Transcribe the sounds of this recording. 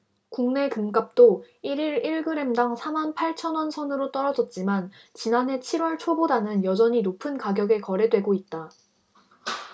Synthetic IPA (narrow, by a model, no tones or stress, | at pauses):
kuŋne̞kɯmk͈ap̚t͈o | iɾiɾiɭɡɯɾe̞mdaŋsʰamanpʰaɭt͡ɕʰʌnwʌnsʰʌnɯɾot͈ʌɾʌd͡ʑʌt̚t͡ɕ͈iman | t͡ɕinanɦe̞t͡ɕʰiɾwʌɭt͡ɕʰobodanɯnjʌd͡ʑʌɲinopʰɯnkaɡjʌɡe̞kʌɾe̞dwe̞ɡoit̚t͈a